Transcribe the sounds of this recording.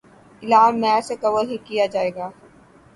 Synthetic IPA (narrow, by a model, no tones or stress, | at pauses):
ɪlaːmmːɛːɾsekɐʋəɦikijad͡ʒaːeːɡaː